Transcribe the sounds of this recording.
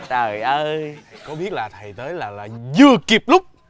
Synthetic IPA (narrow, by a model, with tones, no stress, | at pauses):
ɗəː˨˩jʔəː˧t̪ʰa˨˩jkɔ˨˦ɓi˦˥ət̚laː˨˩t̪ʰə˨˩jt̪əː˨˦jlaː˨˩laː˨˩zɨ˨˩əki˨˩p̚lʊ˦˥k͡p̚